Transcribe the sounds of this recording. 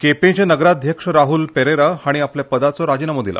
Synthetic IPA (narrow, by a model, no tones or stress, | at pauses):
kepẽt͡ɕenəɡɾad̪ʱjəkʂəɾaɦulpeɾeɾaaɽ̃iapljapəd̪at͡sɔɾad͡ʑinamod̪ila̰